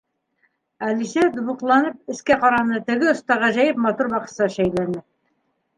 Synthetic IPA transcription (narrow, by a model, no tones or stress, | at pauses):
ælisæd̪ŭβɤ̆qlˠɑnɤp̚ɘ̆skæqɑɾɑnɤt̪ɘ̆ɡɘŏst̪ɑʁɑʑæjɘp̚mɑt̪uɾbɑqɤ̥̆sɑʃæjlænɘ